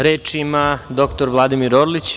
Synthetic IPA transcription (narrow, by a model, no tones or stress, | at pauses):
ɾeːt͡ʂimad̪o̞kt̪o̞ɾʋlˠad̪imiɾoɾlit͡ɕ